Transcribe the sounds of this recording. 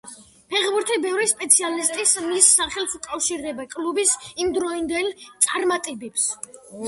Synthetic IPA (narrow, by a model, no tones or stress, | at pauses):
pʰɛʁbuɾt̪ʰibɛvɾispʼɛt̪sʰialist̪ʼismisːaχɛlˠsukʼafʃiɾd̪ɛbakʼlubisimd̪ɾɔind̪ɛlt̪sʼaɾmat̪ʼɛbips